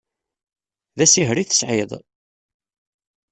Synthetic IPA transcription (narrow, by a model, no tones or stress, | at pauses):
ðæsiɦɾiθə̥sʕɪðˤ